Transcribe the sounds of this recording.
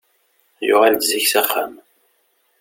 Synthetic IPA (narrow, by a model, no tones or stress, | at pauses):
jʊ̰ʁalt̪ziçsæχːa̰m